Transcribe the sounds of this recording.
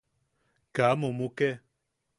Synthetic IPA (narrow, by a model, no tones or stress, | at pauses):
kamõmũkɛ